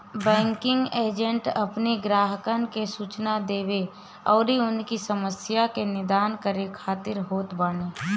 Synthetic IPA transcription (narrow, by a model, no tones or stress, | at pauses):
bɛ̃ːŋkɪ̃ŋɡeːd͡ʒə̃ɳʈɐpneɡɾaːɦəkənkesuːt͡ʃnad̪eːʋe | ɔːɾɦiʊnkisɐməsjakenɪd̪aːnkəɾekʰaːt̪ɪɾɦoːt̪baːneː